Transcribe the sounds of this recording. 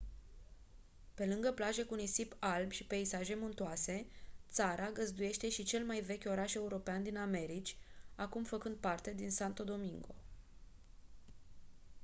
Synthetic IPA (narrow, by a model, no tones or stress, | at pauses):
pe̞lɨŋɡəplaʒe̞kuunijsipalbʃipeisaʒe̞munt̪uase̞t̪saɾaɡəzd̪uje̞ʃt̪e̞ʃit͡ʃe̞lmajve̞kʲo̞ɾaʃe̞uɾo̞peand̪iname̞ɾit͡ʃʲakumfəkɨnd̪̚part̪e̞d̪insant̪o̞d̪o̞miŋɡo̞̰